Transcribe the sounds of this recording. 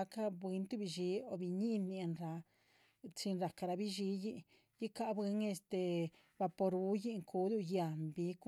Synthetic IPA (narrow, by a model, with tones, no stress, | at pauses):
a˧˦ka˦bɨ˧˦nt̪u˦bi˧ʒi˧˦o˧bi˧ɲi˦nːi˧e˧nɾa˧ | t͡ʃi˧nɾa˨ka˧ɾa˧bi˦ʒi˧˦ji˧ʔ | ji˦ka˧bɨ˧˦ŋe˧st̪e˧ | ba˧po˧ɾu˧˦ji˦ŋku˧˦d̪u˧ja˨mbi˧ku˦